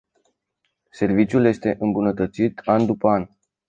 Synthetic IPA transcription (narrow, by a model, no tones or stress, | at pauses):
se̞rvit͡ʃjulje̞st̪e̞ʔɨmbunət̪ət̪sit̪and̪upəan